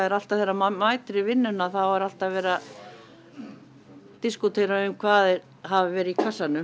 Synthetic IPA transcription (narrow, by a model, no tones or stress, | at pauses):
aɛɾal̥t̪aθɛjɾamaːjt̪ɾɪvɪnːʏnːaθawɛɾal̥t̪aðvɛːɾa | t̪iskut̪ʰeːjɾaʏmkʰvaːðɪ | ɦavvɛːɾɪikʰasːanʏ